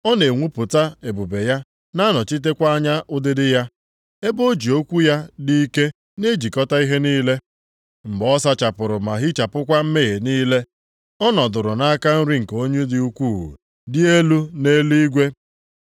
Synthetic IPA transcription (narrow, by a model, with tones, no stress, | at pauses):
ɔ˦ne˨ŋʷu˦pʊ˨ta˦e˨bu˨be˨ja˦ | na˦nɔ˨t͡ʃi˦t̬e˦kʷa˦ɲa˦ʔʊ˦dɪ˦dɪ˦ja˦ | e˦bo˦d͡ʒi˨o˦kʷu˦ja˦di˦i˦ke˦ | ne˦d͡ʒi˨kɔ˦ta˦i˦ɦe˦niː˦le˦ | m̩˨ɡ͡bɔ˦s̬a˦t͡ʃa˨pʊ˨ɾʊ˨ma˨ɦɪ˦t͡ʃa˨pʊ˦kʷa˦m̩˦me˦ɣe˨niː˦le˦ | ɔ˦nɔ˨dʊ˨ɾʊ˨na˦ka˦n̩˦ɾi˦ŋ̩˨ko˦ɲe˦dɪ˨u˦kʷuː˦˨ṵ˨ | dɪ˦e˦lu˦ne˦li˦ɡʷe˦